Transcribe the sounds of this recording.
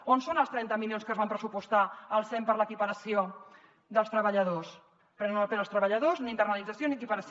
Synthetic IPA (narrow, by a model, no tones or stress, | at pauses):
onsonəlˠst̪ɾɛnt̪əmiljonskəzβampɾəsupust̪aəlˠsɛmpəɾləkipəɾəsio | d̪əlˠst̪ɾəβəʎəðos | pɾɛnnnəlpenəlˠst̪ɾəβəʎəðozniint̪ərnəlid͡zəsioniəkipəɾəs